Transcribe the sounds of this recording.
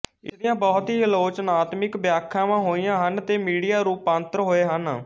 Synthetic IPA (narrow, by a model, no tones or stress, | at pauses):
ɪ̰sd̪ɪjãːbɔːt̪ɦiːəloːt͡ʃnaːt̪mɪkbjaːkʰːãːʋãːɦoːijãːɦənt̪eːmiːɽijaːɾuːpãːnt̪ɾɦoːeːɦən